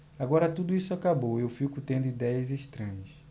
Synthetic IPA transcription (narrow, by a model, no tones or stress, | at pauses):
aɡɔɾɐt̪ud̪ʊisʊakabowewfikʊt̪ẽnd̪ʊid̪ɛjɐzeʃt̪ɾɐ̃ɲɐs